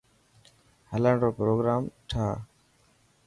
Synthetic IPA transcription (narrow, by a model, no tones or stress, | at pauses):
hələɳɖoːpɾoːɡɾaːmʈʰaː